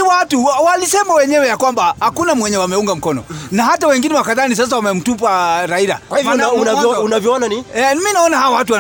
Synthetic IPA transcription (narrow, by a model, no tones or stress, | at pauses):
watuwalisɛmawɛɲɛwɛjakwambahakunamwɛɲɛwamɛuŋɡam̩kɔnɔ̰naɦatawɛŋɡinɛwakaðanis̬as̬awamɛm̩tup̬aɾaiɾa̰kwahivɔaunaɔunavjɔɔnaniɛminaɔnahawɔwat̬uwa